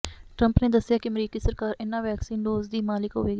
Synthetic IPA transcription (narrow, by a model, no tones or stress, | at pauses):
ʈɾəmpneːd̪əsɪjaːkɪəmɾiːkiːsəɾkaːɾɪnːãːʋɛːksiːnɖoːzd̪iːmaːlɪkɦoːʋeːɡi